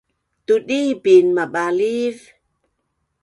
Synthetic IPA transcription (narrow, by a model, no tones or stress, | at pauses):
t̪udibinmaɓaliv